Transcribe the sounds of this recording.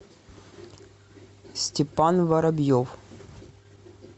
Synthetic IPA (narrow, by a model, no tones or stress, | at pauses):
sʲtʲɪpanvɐɾɐbjof